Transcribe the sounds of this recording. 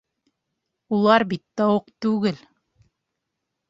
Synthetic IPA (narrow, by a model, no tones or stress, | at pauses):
ulˠɑɾbit̪ːɑwoqt̪ʉɡɘl